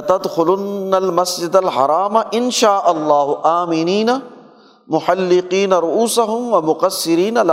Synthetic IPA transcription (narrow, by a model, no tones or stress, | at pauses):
t̪ɐd̪xʊlʊnːɐlmɐsd͡ʒɪd̪alħɑ̰ɾˤɑːmaʔɪnʃaːʔɐlˤːɑːɦʊʔaːmɪniːna | mʊħalːɪqiːnɐɾʊʔuːsaɦʊmwɐmʊqɐsːɪɾiːnala